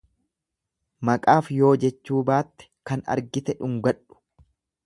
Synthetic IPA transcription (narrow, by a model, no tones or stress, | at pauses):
mɐkʼaːfjo̞ːd͡ʒɛt͡ʃːuːbaːt̪ːɛ̥kɐnɐ̰ɾɡɪt̪ɛᶑʊŋɡɐᶑʊ̥